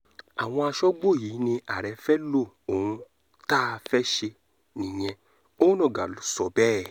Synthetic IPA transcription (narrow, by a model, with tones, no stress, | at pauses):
a˨w̃ɔ̃˧a˧ʃɔ˦ɡ͡bo˦˨ji˨˦nĩ˧ʔa˨ɾɛ˨˧fɛ˦lo˦˨ | o˨hũ˧ | ta˦˧fɛ˦ʃe˧ | nĩ˨j̃ɛ̃˧ | õ˦nɔ̃˦˨ɡa˨lu˨˦sɔ˨bɛ˦˨